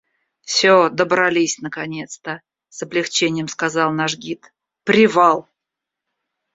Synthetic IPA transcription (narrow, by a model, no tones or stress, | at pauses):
fsʲod̪əbɾɐlʲisʲnəkɐnʲe̞t̪st̪ə | səblʲɪxt͡ɕenʲɪjəmskazɑlˠnaʐɡʲit̪ | pɾʲɪvɑlˠ